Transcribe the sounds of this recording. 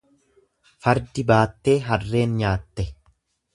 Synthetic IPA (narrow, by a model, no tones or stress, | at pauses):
fɐɾd̪ɪbaːt̪ːe̞ːɦɐrːe̞ːnɲaːt̪ːɛ